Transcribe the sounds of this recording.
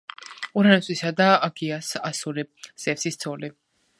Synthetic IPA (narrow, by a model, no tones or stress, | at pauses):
uɾanɛsʼwisad̪aːɡiasasuɾiz̥ɛfsist̪sʰɔli